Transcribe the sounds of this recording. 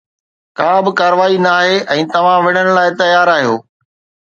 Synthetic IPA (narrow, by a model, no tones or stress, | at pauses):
kãːbɪkaːɾəʋaːinaːɦeʔɛ̃ːt̪ɐʋ̤ãʋɪɽ̤əɽ̃ʊ̆laːɪt̪ɐjaːɾaːɦijoː